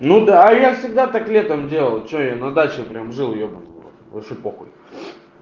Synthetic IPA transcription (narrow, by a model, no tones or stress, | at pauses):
nud̪aːjafsʲɪɡ̚d̪at̪aklʲe̞t̪əmdʲe̞lˠəlˠt͡ɕɪojanɐd̪at͡ɕɪpɾʲamʐɨlˠjobɨno̰t̪vɐʃɕepoxʊtʲ